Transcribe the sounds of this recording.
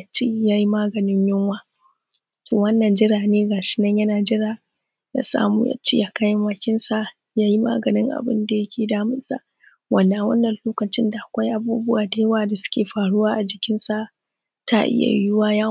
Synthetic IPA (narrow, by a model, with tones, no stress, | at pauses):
t͡ʃːi˦jaː˦ji˦maː˦ɡɐ˨nɪ˦ɲjʊ˦ŋwaː˦ | toː˨wɐ˦nːɐ˨nd͡ʒɪ˦ɾaː˨neː˦ɡaː˨ʃɪ̥˦nɐ˦ɲjɐ˦naː˨d͡ʒɪ˦ɾaː˨ | ja̰˦sa̰ː˦muː˦ja̰˦t͡ʃːḛ˦ja˨ka˦jɪ˦mwa˦˨kʲɪ˦nsa˦˨ | jaː˦ji˦ma̰ː˦ɡɐ˨nɪ˦ŋʔa̰˨bɪ̰˦nda˨jɐ˦kʲʰeː˨daː˦mɪ˦nsa̰˦˨ʔ | wɐ˨nːa˨wɐ̰˦nːɐ˨nloː˦kɐ˨t͡ʃɪ˦nda˨ʔa˨kʷa˦jʔa˨buː˦bʊ˦waː˨da˨˦jwaː˨da˨sʊ̥˦kʲeː˨ɸaː˨ɽʊ˦waː˦ʔa˨d͡ʒɪ˨kʲɪ˦nsa˦ʔ | ta˦ʔɪ̰˦ja̰˨jʊ˦waː˦ja˦